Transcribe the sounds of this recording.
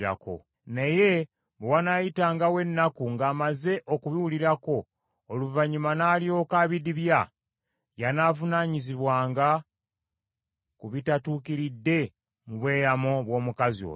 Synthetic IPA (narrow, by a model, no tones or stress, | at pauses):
ɾa̰ko̞̰ | neje̞ | bewanajitaːŋɡawe̞nːakuŋɡaːmaze̞ʔokuβiwuliɾako̞ː | luvaɲumanaːljo̞ːkaβidiβja | janaːvunaːɲiziβwaːŋɡa | kuβitatuːkiɾidːe̞ | muβwe̞ːjamo̞βwo̞ːmukazio̰